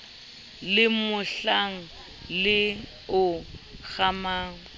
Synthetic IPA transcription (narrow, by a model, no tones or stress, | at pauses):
lɪmʊɬaŋ̩ | lɪ | ʊɣamaːŋ̩